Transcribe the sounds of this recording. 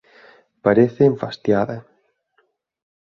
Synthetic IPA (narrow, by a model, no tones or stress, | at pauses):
paɾeθeːɱfast̪jaða